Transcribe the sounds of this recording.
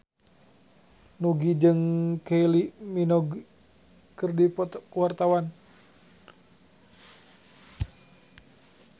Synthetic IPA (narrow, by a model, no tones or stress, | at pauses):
nuɡid͡ʒɨŋkeiliminɔɡ | kɨrdip̪wart̪awan